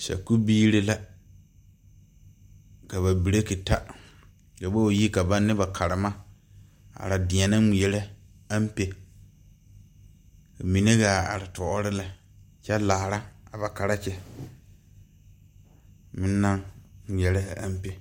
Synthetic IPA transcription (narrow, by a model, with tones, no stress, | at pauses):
ʃa̰˨ku˦biː˦ɾe˦la˦ | ka˨βa˨bi˨ɾe˦ki˨ta˦ | ka˨bo˦o˨ji˦ka˨ba˦nːɪ˦ba˨kʰa˨ɾɪ˨ma˦ | a̰˨ɾa˨dɪ̃˨a˨na˦˨ɛ˨le˦ | a˦m˦pe˨ | ka˨mi˨ne˦ɡa˨a̰˨ɾa˨tɔ˨ʔɔ˦ɾɪ˦la˨ | t͡ʃɛ˦laː˨ɾa˦a˨ba˨ka˨ɾa˦t͡ʃɛ˦ | mɪ̃˦nːa˦ŋŋ˨ɛ˨le˦a̰˦m˦pe˨